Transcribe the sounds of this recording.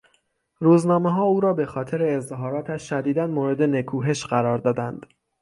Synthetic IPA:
ruːznɒːmeɦɒːuːɾɒːbe̞xɒːt̪ʰe̞ɾeːzɦɒːɾɒːt̪ʰæʃʃæd̪iːd̪ænmoːɾe̞d̪ene̞kʰuːɦe̞ʃɢæɾɒːɾd̪ɒːd̪ænd̪̥

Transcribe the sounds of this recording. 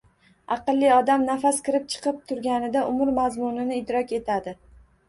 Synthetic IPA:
ɑqɨlˠːɪɒd̪amnafaskʲɪɾɪp̚t͡ʃʰɨ̥qɨp̚t̪ʰʊɾɡʲanɪd̪aʔʊmʊɾmazmʊnɪnɪɪd̪ɾɒkʲe̞t̪ʰad̪ɪ

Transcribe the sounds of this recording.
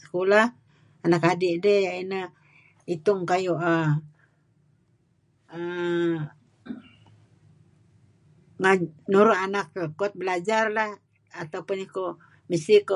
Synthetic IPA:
sə̥kulah | anakadiʔdəhjaʔinə | it̪ʊŋkajuʔə | ə | ŋanuɾuʔanakkːuat̪̚bəlad͡ʒarlah | at̪aupʊniko | misiko

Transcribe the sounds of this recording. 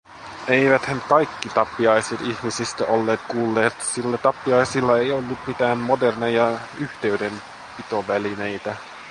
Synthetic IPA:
eiʋæt̪hænkɑjkːit̪ɑpːiɑjset̪içmisist̪æolːeːt̪kuːlːe̞ːt̪silːæt̪ɑpːiɑjsilːɑe̞jolːut̪mit̪æːnmodernejɑyht̪e̞yden | pit̪o̞ʋæline̞jt̪æ

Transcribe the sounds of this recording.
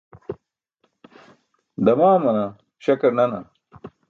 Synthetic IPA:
d̪ɐmaːmɐna | ɕɐkɐɾnɐna

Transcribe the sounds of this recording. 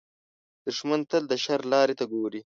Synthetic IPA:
d̪̥ʊʂmant̪əld̪əʃaɾlɑːɾet̪aɡoːɾi

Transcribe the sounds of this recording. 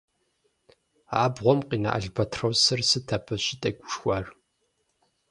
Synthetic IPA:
aːbʁʷɔmqʼiːna̰ʔa̰ɮbɐtʰrɐwsɨrsɨtʰɐpʰɐɕɪtʼɐɡʷʼʊʂxʷaːr

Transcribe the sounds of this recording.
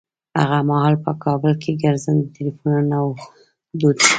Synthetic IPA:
ha̰ɣamahɑlpəkʰɑbəlkʰeɡaɾzənd̪ət̪ɪlifunnaw | d̪ud̪

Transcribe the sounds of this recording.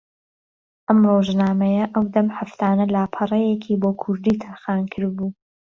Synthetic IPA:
ʔɐmroːʒnaːmɐjɐʔɐwd̪ɐmħaft̪ʰaːnɐlaːpʰɐrˤɐjekʰiːboːkʰʊɾd̪iːt̪ʰɐɾxaːnkʰɨɾbuː

